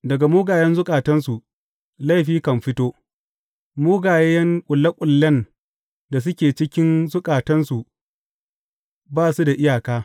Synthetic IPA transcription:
dɐ˨ɡa˨moː˦ɡaː˨jɛ˦nzʊ˦kʼaː˨tɐ˦nsu˨ | la˦˨jɸiː˦kɐ˨mɸɪ˦toː˦ | moː˦ɡaː˨jɛ˦jɐ˦ŋkʷʼʊ˨lːɐ˦kʷʼʊ˨lːɐ˦n | da˨s̬ʊ˦kʲeː˨t͡ʃɪ˦kʲɪ˦nzʊ˦kʼaː˨tɐ˦nsu˨ | baː˦˨su˦da˨ʔɪ˦jaː˨kaː˦

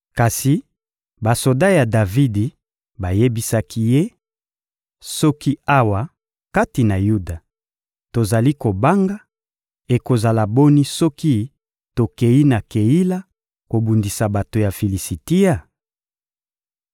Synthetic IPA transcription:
ka˨si˨ | ba˨so˨da˦ja˨da˨vi˦di˨ | ba˨je˦bi˦sa˦kʰi˦je˦ | sɔ˦ki˦a˦wa˨ | ka˦ti˨na˨ju˦da˨ | to˨za˨li˦ko˨ba˦ŋɡa˦ | e˨ko˨za˨la˨bo˦ni˦sɔ˦ki˦ | to˨ke˨ji˦na˨ke˨ji˦la˦ | ko˨bu˨ndi˨sa˨ba˨to˨ja˨fi˨li˨si˨ti˦ja˦˨

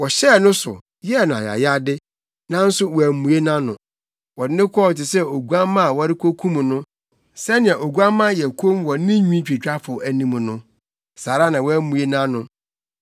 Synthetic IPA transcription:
wɔ˨ɕɛ˦˨nʊ̃˦sʊ̰˨ | jɛ˦˨nʊ̃˨a̰˨ja̰˨ja˦dɪ˦ | nã˦n̩˦sʊ˦wɔ˨æ˨mũ˨e˦nã˦nʊ̃˨ | wɔ˨dɪ˦nɪ̃˦kʰɔ˦˨tɪ˨sɛ˦o˨ɡu˦a˦mã˦a˨wɔ˦ɾɪ˦kʰo˦kʰũ˦m̃˨nʊ̃˦ | sɛ˦nɪ̃˨ã˨o˨ɡu˦a˦mã˦˨jɛ˨kʰo˦mwɔ˨nɪ̃˦ɲᶣũ˦t͡ɕᶣi˨t͡ɕᶣa˦fʊ˨æ˨nĩ˦m̃˨nʊ̃˦ | saː˨ɾa˦nã˨wɔ˦æ˦mũ˨e˦nã˦nʊ̃˨

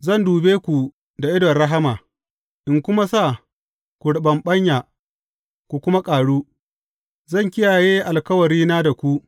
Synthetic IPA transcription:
zɐ˦˨nduː˨beː˦kʷu˨ | da˨ʔɪ˦dɔ˨ɽɐ˦ɦa˦maː˨ | ʔɪ˨ŋkʷʊ˦ma˦saː˦˨ | kʷu˨ɽɪ˨ɓɐ˨mɓɐ˦ɲjaː˨ | kʷu˨kʷʊ˦ma˦kʼaː˨ɽuː˦ | zɐ˦˨ŋkʲɪ˦jaː˨jeː˦ʔa˨lkɐ˦wɐ˨ɾiː˦naː˦da˨kʷu˦ʔ

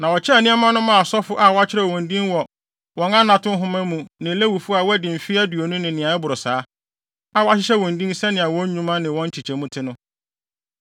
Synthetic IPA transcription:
nã˨wɔ˨t͡ɕʰɪ˦˨nĩ˦a˦mã˦nʊ̃˦mã˦˨sɔ˦fʊ˦ʔa˦˨wɔ˦a˦t͡ɕʰɪ˦ɾɛ˨wɔ̃˨ndĩ˦nwɔ˨ | wɔ̃˦nã˦nã˨tʊ̃˦n˦ɦʊ̃˦mæ̃˦mũ˨nɪ̃˨le˦wu˨fʊ˦a˨wɔ˦æ˦dɪ̃˨m̩˨fi˦a˦du˨o˨nʊ̃˦nɪ̃˨nɪ̃˨ã˨ɛ˦bʊ˨ɾʊ˨saː˨˦ | a˦˨wɔ˦a˦ɕ̬ɪ˦ɕɛ˦wɔ̃˨ndĩ˦n˦sɛ˦nɪ̃˨a˨wɔ̃˦ɲũ˦mã˦nɪ̃˨wɔ̃˦ɲ̩˦t͡ɕʰi˨t͡ɕʰɛ˨mũ˦tʰɪ˦nʊ̃˦

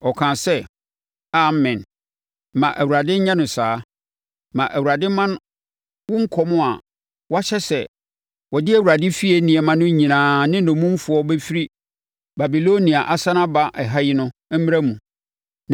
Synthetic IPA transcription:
ɔ˨kʰãː˨sɛ˦ | a˨mɛ̃˨n | mã˨ʔæ˨wu˨ɾa˨dɪ˦ɲã˦nʊ̃˨saː˦ | mã˨ʔæ˨wu˨a˨dɪ˦mã˦n˦ | wʊ̃˦ŋ̩˦kʰɔ˦mʊ̃˦a˨ | wɔ˦a˦ɕɛ˦sɛ˨ | wɔ˨dɪ˦æ˨wu˨ɾa˨dɪ˦fi˦e˨˦nĩ˨ɛ˨mã˦nʊ̃˦ɲĩ˨nãː˨nɪ̃˦nʊ̃˨mũ˦m˦fʊ˨˦ɔ˦be˦fi˦ɾi˦ | ba˨bi˨lo˦nĩ˨a˨ʔa˨sã˦nã˦ba˦ʔɛ˨ɦa˦jɪ˦nʊ̃˦mĩ˦ɾa˦mũ˨

